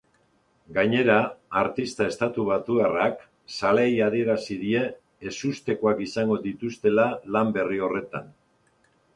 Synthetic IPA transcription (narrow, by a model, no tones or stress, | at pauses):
ɡaɲe̞ɾaːɾt̪ist̪ae̞st̪at̪uβ̞at̪uarak | salejaðie̞ɾasiðie̞ː | sust̪e̞ko̞akisaŋɡo̞ðit̪ust̪e̞lalambe̞rio̞re̞t̪a̰n